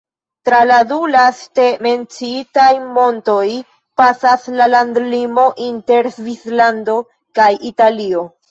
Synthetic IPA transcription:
tɾaladulaste̞me̞nt͡siitajmo̞nto̞j | pasaslalandlimo̞ʔinte̞ɾzvislando̞ | kajitalio̞

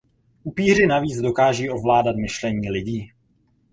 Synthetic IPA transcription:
ʔupiːr̝ɪnaviːd͡zdo̞kaːʒiːʔo̞vlaːdat̪mɪʃlɛɲiːlɪɟiː

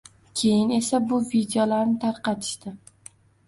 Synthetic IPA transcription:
kʲʰe̞jɪne̞sabʊvid̪eolaɾnɪt̪ʰaɾqɑt̪ʰɪ̥ʃt̪ɪ

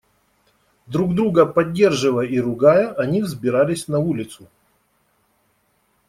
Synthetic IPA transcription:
d̪ɾuɡd̪ɾuɡəpɐdʲːe̞rʐɨvəjəiɾʊɡajəʔɐnʲivzbʲɪɾalʲɪsʲnɐulʲɪt̪sʊ

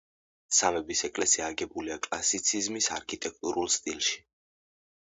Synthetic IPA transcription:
samɛbisɛkʼlɛsiaːɡɛbuliakʼlasit̪sʰizmisaɾkʰit̪ʼɛk̚ʰt̪ʼuɾʔulˠst̪ʼilˠʃi̥

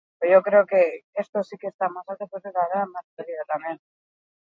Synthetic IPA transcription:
oʝokɾe̞oke̞est̪osikest̪amasalt̪ekoset̪aðeamaseliðot̪amen

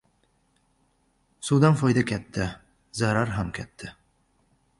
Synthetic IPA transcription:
sud̪ɑnfɒjd̪akʲʰæt̪ːɪ | zaɾaɾɦamkʲʰæt̪ʰːɪ

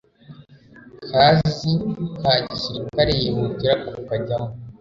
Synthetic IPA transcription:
kʰazikʰaɟisiɾikaɾejemuɟiɾakukaɟamo

